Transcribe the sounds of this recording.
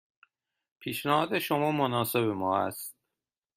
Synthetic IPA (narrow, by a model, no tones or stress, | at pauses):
pʰiːʃnæhɒːd̪eʃo̞mɒːmonɒːse̞bemɒːæ̰st̪̚